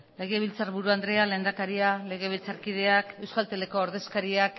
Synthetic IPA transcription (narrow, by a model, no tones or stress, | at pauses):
le̞ɣe̞β̞ilt͡saɾβuɾuand̪ɾe̞ale̞nd̪akaɾiale̞ɣ̞e̞β̞ilt͡saɾkið̞e̞ake̞wskalt̪ele̞ko̞ːɾðe̞skaɾiak